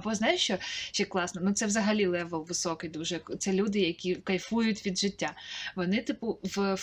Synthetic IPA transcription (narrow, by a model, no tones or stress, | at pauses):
ɐbɔznɑjʊʃt͡ʃɔʃt͡ʃɛkːlˠɑsnɐnut̪sɛʋzɐɦɐlʲilˠɛʋɛlˠʋɪsɔkɪjd̪uʒɛt̪sɛlʲud̪ɪjɐkʲikɐjfujʊtʲʋʲid̪ʒɪtʲːaʋɔnɪt̪ɪpʊʋf